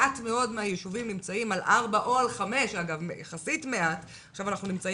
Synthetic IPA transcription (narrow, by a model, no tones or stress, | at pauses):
atmeo̞dmeajeʃuvimnimt͡saimalʔaʁbaʔo̞alχame̞ʃaɡavmejaχasitme̞at | χʃavanaχnunimt͡sa